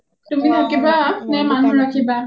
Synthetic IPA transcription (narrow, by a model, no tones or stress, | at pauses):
tuminakibaːpnɛmanuɹakʰiba